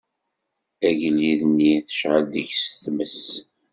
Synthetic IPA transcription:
æʝliðnːiθə̥ʃʕəld̪əçsθməs

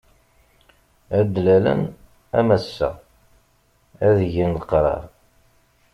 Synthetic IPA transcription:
æd̪lælæ̰n | æ̰mæsːæ̰ | æðəʝinlqɾˤɑ̰ɾˤ

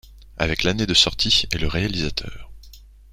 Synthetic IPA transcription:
a̰vɛklaned̪əsɔʁt̪ʰieləʁealizat̪ʰœ̰ːʁ

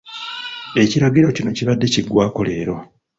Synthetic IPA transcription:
e̞ciɾaɡiɾo̞cino̞ciβadːe̞ciɡwaːko̞le̞ːɾo̞

